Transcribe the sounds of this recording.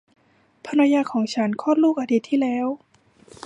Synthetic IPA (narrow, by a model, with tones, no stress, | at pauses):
pʰa˧nɾa˧jaː˧˩kʰɔː˩˦ŋt͡ɕʰa˦˥nkʰɔː˥˨nluː˥˩k̚ʔa˧d̪i˧˩t̪ʰːiː˥˩lɛː˦˥˨w